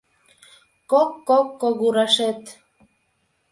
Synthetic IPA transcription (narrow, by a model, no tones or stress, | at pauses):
kokːokːoɣuɾɑʃet̪